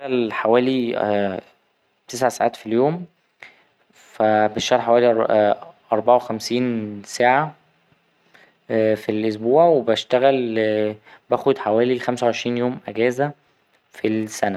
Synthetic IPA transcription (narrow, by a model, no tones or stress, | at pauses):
ɣælħawæːli | t̪es̬ʕasaʕaːt̪filjoːm | fæbæʃt̪æɣælħawæːli | ʔɑɾˤbɑʕawexæmsiːnsaːʕa | filʔos̬buːʕwebæʃt̪æɣæl | bæːxod̪ħawæːlixæmsæwʕeʃɾiːnjoːmʔæɡæːzæ | filsænæ